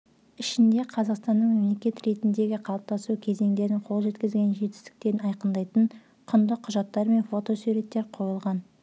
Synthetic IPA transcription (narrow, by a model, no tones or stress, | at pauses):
ɪʃɪnd̪e̞qʰɑzɑqst̪ɑnːəɴme̞mle̞kʲe̞t̪ɾe̞t̪ɪnd̪e̞ɡʲɪqʰɑlˠp̚t̪ɑsukʲʰe̞ze̞ŋd̪e̞ɾɪɴqʰo̞lˠʒe̞t̪kʲɪzɡʲe̞nʒe̞t̪ɪ̥st̪ɪ̥k̚t̪e̞ɾɪnɑjqənd̪ɑjt̪əɴ | qʰʊnd̪əqʰːʊʒɑt̪ːɑɾme̞nfo̞t̪o̞suɾe̞t̪ːe̞ɾqʰo̞jəlˠʁɑn